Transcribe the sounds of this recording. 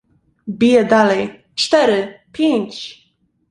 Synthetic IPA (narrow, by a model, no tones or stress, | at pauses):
bʲijɛd̪alɛj | t͡ʂt̪ɛɾɘpʲjeɲt͡ɕ